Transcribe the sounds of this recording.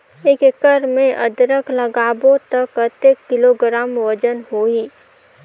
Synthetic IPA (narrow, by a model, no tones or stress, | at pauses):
eːkɪkəɾmẽʔə̰d̪ɾəkləɡaːbõt̪əkət̪ekːɪloːɡɾaːmʋəd͡ʒənɦoːiː